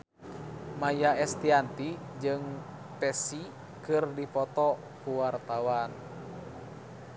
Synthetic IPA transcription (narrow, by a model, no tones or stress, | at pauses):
majaɛst̪iant̪i | d͡ʒɨŋ | pɛsi | kɨrdipɔt̪ɔ | kuwart̪awan